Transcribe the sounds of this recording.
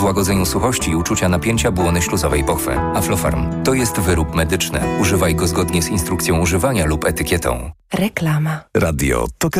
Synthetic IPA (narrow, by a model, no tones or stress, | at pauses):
vwaɡɔd̪zɛɲusuxɔɕt͡ɕiːut͡ʂut͡ɕanapʲjeɲt͡ɕabwɔnɘɕluzɔvɛjpɔxfɛ̰aflɔfa̰ɾmt̪ɔjɛst̪vɘɾupmɛd̪ɘt͡ʂnɘ̰uʐɘvajɡɔzɡɔd̪ɲɛzinst̪ɾukt̪sʲjɔ̃w̃uʐɘvaɲalupɛt̪ɘkʲjɛt̪ʰɔ̰̃w̃ɾɛklamaɾad̪jɔ̰t̪ɔk